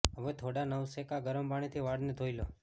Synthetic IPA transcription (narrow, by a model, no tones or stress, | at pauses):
ɦəʋet̪ʰoɽanəʋsekaɡəɾəmpaɽ̃et̪ʰiʋaɽned̪ʱoilo